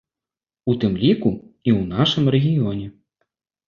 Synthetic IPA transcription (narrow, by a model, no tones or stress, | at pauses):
ut̪ɨmlʲikuiwnaʂɨmrɛɣʲijɔnʲɛ